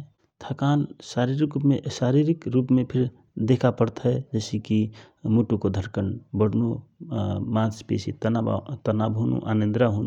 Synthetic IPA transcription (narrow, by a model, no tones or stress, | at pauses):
t̪ʰakaːnsaːɾiɾikumesaɾiɾikɾuːpmẽpʰɪɾ | d̪ekʰapəɽt̪ɦɛd͡ʒəːsiki | muʈukod̪ʱəɾkəɳbəɽno | mãːspḛsit̪t̪ənabʱunṵʔanẽnd̪ɾaɦun